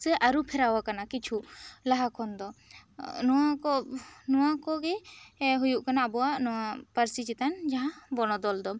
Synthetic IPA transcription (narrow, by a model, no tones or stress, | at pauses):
sɛʔaɾupʰɛɾawakanakit͡ʃʰulaɦakʰɔnd̪ɔ | nɔwakɔnɔwakɔɡɛɦujuʔkanaːbɔwaʔnɔwapaɾsit͡ʃit̪and͡ʒaɦãbɔnɔd̪ɔld̪ɔ